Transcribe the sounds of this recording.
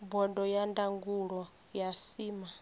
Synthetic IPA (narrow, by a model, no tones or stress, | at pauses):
bɔdɔjandaŋɡuɺɔ | jasiːma